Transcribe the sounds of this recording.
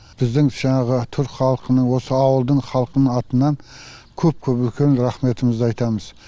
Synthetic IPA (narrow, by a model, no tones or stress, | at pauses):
b̥ɪzd̪ɪŋʒ̥ɑɴɑʁət̪ʰʏɾkʲχɑlˠəqʰənəɴwo̞səɑwəlˠd̪əɴχɑlˠqənəɴɑt̪ənːɑn | kʲʰɵp̚kʲʰɵpʏlkʲe̞nɾɑχme̞t̪əməzd̪əɑjt̪ɑməz